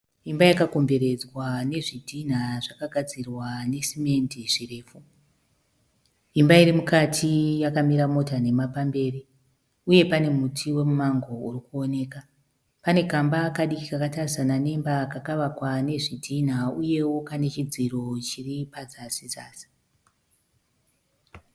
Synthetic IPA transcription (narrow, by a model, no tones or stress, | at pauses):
imbajakako̞mbe̞ɾe̞d͡zwane̞ʐidʱin̤aʐakaɡʱad͡zirwane̞sime̞ndiʐ̥ire̞ːfu | imbaiɾimukatʰijakamiɾamo̞tane̞mapambe̞ːri | uje̞pane̞mutʰiwe̞mumaŋɡo̞urikuo̞ne̞ːka | pane̞kambakaɗikikakatarisanane̞mbakakaʋakwane̞ʐidʱin̤auje̞wo̞kane̞t͡ʃid͡ziro̞t͡ʃiripad͡zasizaːsi̥